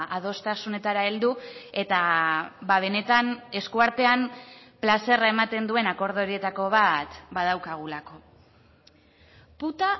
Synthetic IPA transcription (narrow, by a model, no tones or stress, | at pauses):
að̞o̞st̪asune̞t̪aɾaeld̪ue̞t̪aβaβ̞e̞ne̞t̪ane̞skuaɾt̪e̞amplase̞raemat̪e̞nd̪ue̞nako̞ɾð̞oɾie̞t̪ako̞β̞at̪bað̞awkaɣ̞ulako̞ | put̪a